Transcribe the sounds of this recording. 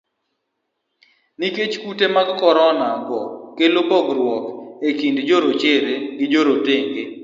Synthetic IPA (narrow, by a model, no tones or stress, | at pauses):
niket͡ʃkutemaɡkɔɾɔnaɡɔkelobɔɡɾwɔkekindd͡ʒoɾot͡ʃeɾeɡɪd͡ʒoɾoteŋɡe